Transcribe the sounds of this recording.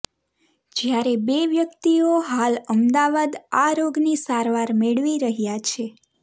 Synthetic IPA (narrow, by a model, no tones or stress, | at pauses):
d͡ʒjaɾebeʋjəkt̪ioɦaləmd̪aʋad̪aɾoɡnisaɾʋaɾmeɭʋiɾəɦjat͡ʃʰe